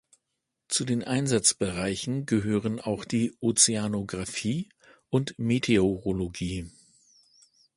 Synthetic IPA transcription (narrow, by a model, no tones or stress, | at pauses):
t͡sudeːnʔaɪnzat͡sb̥əʁaɪçn̩ɡəɦøːʁəna̰ʊxd̥iːʔot͡seanoɡʁafiː | ʊntmetʰeoʁoloɡiː